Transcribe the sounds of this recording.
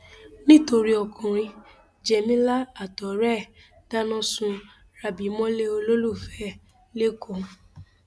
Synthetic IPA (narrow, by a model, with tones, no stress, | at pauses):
nĩ˦˨to˧ɾi˦ɔ˧kʰũ˨ɾ̃ĩ˧ | d͡ʒɛ˧mĩ˦la˦a˦˨tɔ˨ɾɛ˦˨ | d̥a˦nɔ̃˦sũ˧ | ɾa˨bi˨˦mɔ̃˦le˦o˧lo˦lu˦˨fɛ˨˦ | le˦kõ˨˧